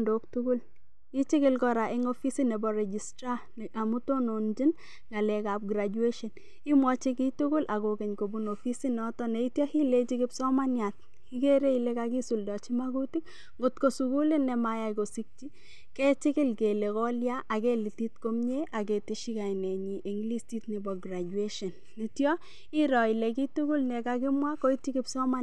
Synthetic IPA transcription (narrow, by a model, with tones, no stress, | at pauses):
ndok̚tʊɡʊ˦l | i˦t͡ʃɪ˦kɪlkɔɾa˨ʔɪ˦ŋofi˦si˦nɛ˨bɔ˨ɾɛ˨d͡ʒi˨stɾana˨mu˦tonond͡ʒi˦n | ŋɡa˨lɛ˨ka˨p̚ɡɾad͡ʒue˦ʃɔ˨n | i˦mwɔ˦t͡ʃi˦ki˦tʊ˦kʊ˦lʔa˨kokɛ˨ɲko˨bunofi˦si˦nɔtɔnɛ˨i˦tjɔ˦hi˦le˦t͡ʃi˦kɪ˦psɔ˦ma˦nja˨t̚ | hi˦ke˦ɾe˦ile˦kaki˦suldɔ˨t͡ʃi˦maɡuti˦k | ŋɡʊ˨tko˦suku˦lɪ˦nɛ˨ma˨ja˨jko˨si˦k̚t͡ʃi˦ | kɛ˦t͡ʃɪ˦kɪ˦lke˨le˨kɔ˦lja˦ʔa˨kɛ˦li˨ti˦tko˦mɲe˦ʔa˨ke˨tɪ˦ʃi˦ka˨jnɛ˨ɲi˨ʔe˨ŋɡli˦sti˦tnɪ˨bɔɡɾa˨d͡ʒue˦ʃɔ˨nːi˨tjɔ˦ | ɪ˦ɾɔ˨i˨le˨ki˦tʊ˦ɡʊ˦lnɛ˨ka˦k̬ɪ˦mwa˦ko˦i˦ti˦kɪpsɔ˦ma˦